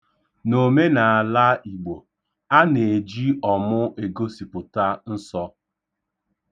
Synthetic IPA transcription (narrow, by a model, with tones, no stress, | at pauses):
no˨me˦na˨a˨la˦i˨ɡ͡bo˨ | a˦ne˨e˨d͡ʒi˦ɔ˨mʊ˦e˨ɡo˦si˨pʊ˨ta˦n̩˦sɔ˦